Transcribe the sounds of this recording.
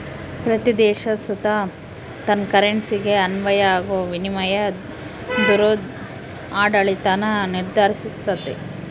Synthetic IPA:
pɾɐt̪id̪ɛːʃɐsut̪a | t̪ɐnkɐɾeɳsiɡeɐnʋɐjɐaːɡoʋinimɐjɐ | d̪uɾod̪ | aːɖɐɭit̪anɐniɾd̪ʱaːɾisist̪ɐt̪ːe

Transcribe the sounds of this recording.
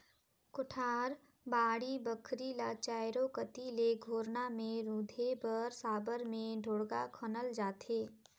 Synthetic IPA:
kʊʈʰaːɾ | baːɽibəkʰɾilat͡ʃaːɪɾokət̪ileɡʱoːɾnamẽɾuːd̪ʱebəɾsaːbəɾmẽɖʱoːɽɡakʰənəld͡ʒaːt̪ʰeː

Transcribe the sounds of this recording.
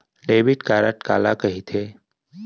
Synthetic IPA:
ɖeːʋiʈkaːɾəʈka̰ːlakəɦit̪ʰeː

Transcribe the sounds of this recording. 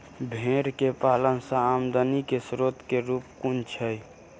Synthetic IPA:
bʱẽːɾkepaːlənsə̃aːmd̪ənikesɾot̪keɾuːpkunt͡ʃʰəj

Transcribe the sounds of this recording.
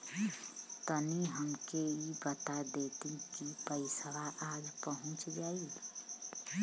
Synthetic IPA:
t̪əniɦəmkeibət̪ad̪et̪ĩkipəɪsəʋaʔad͡ʒpəɦũt͡ʃd͡ʒai

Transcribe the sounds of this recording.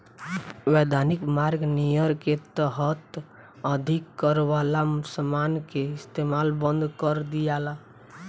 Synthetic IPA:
wɛd̪ʱanikmaɾɡnijəɾket̪əɦət̪ | əd̪ʱikːəɾwalasəmankeɪst̪emalbənd̪ʱkəɾd̪ijala

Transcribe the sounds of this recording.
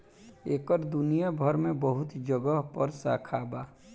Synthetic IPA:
eːkəɾd̪ʊnijabʱəɾmẽbəɦʊt̪d͡ʒəɡəɦpəɾsa̰ːkʰaːbaː

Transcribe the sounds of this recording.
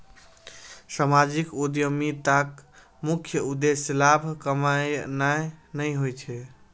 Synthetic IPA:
samad͡ʒikud̪jəmit̪ak | mukʰjəud̪eslabʱkəmajnajnəjɦojt͡ʃʰɛ

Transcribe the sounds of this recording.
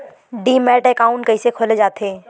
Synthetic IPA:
ɖiːmɛːʈɛkaːʊ̃ɳʈkəisekʰoːled͡ʒaːt̪eː

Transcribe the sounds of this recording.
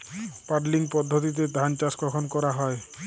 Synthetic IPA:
paɾliŋpɔd̪ʱːot̪̬it̪̬ed̪ʱant͡ʃaskɔkʰɔnkɔɾaɦɔe

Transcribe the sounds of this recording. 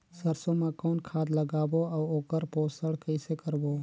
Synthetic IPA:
səɾsõmakɔːnkʰaːd̪ləɡaːboaːoːkəɾpoːsəɽkəɪsekəɾboː

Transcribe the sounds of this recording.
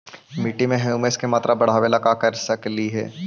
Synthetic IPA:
miʈimẽɦɛjumeskemaːt̪ɾʔabɐɽ̤aːʋelɐkakɐɾsɐkliɦɛ̰ː

